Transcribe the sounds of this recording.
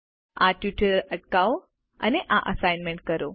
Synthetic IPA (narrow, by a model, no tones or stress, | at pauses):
aʈjuʈəɾəʈkao | ə̰neʔaʔəsajnmeɳʈ̚kəɾo